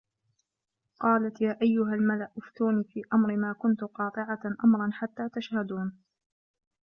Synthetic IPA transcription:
qɑːlat̪jaːʔajːʊɦalmalaʔʔʊft̪uːniːfiːʔamɾɪmaːkʊnt̪ʊqɑːt̪ˤɨʕaʔamɾˤɑnħat̪ːaːt̪aʃhad̪uːn

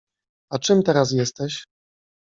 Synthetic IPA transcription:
at͡ʂɘmt̪ɛɾas̬jɛst̪ɛɕ

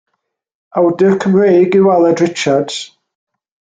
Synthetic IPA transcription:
awdɪɹkʰəmrejɡɪwalˠɛdɹɪt͡ʃad̥z̥

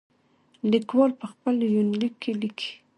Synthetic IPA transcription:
likwɑlpəxpəljʊnlikʰːelɪkʰi̥

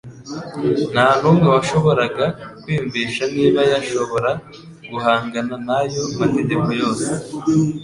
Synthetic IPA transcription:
naːnuŋɡawaʃo̞βo̞ɾaɡakwiːɱviːʃaniːβajaʃo̞βo̞ɾa | ɡ̥uɦaːŋɡananajo̞mate̞ɟeko̞jo̞ːse

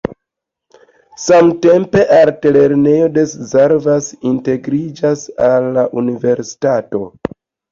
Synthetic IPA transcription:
samte̞mpe̞ʔaɾtele̞ɾne̞jo̞de̞szeɾvasinte̞ɡɾid͡ʒasalːaʔunive̞ɾsi̥tato̞

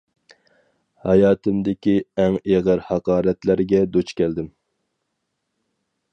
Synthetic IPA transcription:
hɑjɑːt̪ʰɪmd̪ɪkʲiɛŋeʁæɾhɑqɑːɾɛt̪læɾɡʲɛd̪ot͡ʃkʲɛld̪ɪm

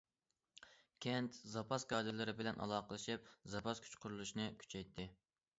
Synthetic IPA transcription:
kʲʰɛnt̪zɑpʰɑskʰɑd̪ɨlɨɾɪbɪlɛnʔɑ̰lˠɑːqəlˠɨʃip̚zɑpʰɑskʲʰy̥t͡ʃqʰʊɾulˠuʃnɨkʲʰy̥t͡ʃʰɛjt̪ʰːɪ

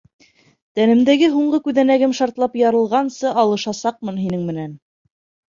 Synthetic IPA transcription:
t̪ænɘ̆md̪æɡɘɦuɴɢɤkʉðænæɡɘmʃɑɾt̪lˠɑpjɑɾɤ̆lˠʁɑnsɤʔɑlˠɤ̆ʃɑsɑq̚mɤnɦinɘŋmɘ̆næn

